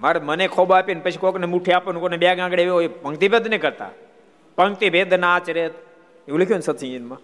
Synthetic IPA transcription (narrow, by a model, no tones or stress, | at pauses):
maːɾemənekʰobaːpjonpət͡ʃʰikoknemuʈʰiaːponukonebjaːɡãːɡɽeʋeepəŋkt̪ibʱed̪ʱneikəɾt̪a̰ː | pəŋɡ̚t̪ibʱed̪ʱnaːt͡ʃɾet̪ | euləkʰjoːnsət̪ʰĩinmã